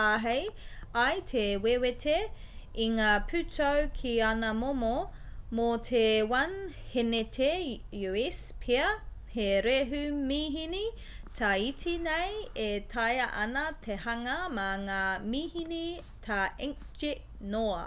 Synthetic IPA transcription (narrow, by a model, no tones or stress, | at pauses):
aɦejɐjtʰewewetʰe | iŋaːpʰʉtowkʰianɐmomomotʰewɐnhenetʰejuispʰiɐheɾeɦʉmiɦini | tʰɐitʰinejetʰɐjɐʔɐnɐtʰehɐŋɐmɐŋaːmiːhini | tʰaɛŋ | t͡ʃe | noɐ